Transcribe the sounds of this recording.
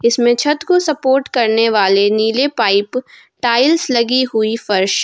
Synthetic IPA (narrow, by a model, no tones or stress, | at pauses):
ɪsmẽt͡ʃʰɐt̪kosɐpoːɾʈkɐɾneʋaːleniːlepaːɪp | ʈaːɪlslɐɡiɦʊifɐɾʃ